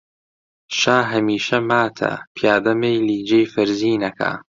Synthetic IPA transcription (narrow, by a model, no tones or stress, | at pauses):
ʃaːɦɐmiːʃɐmaːt̪ʰɐ̰pʰjaːd̪ɐmejliːd͡ʒejfɨɾziːnɐkʰa̰ː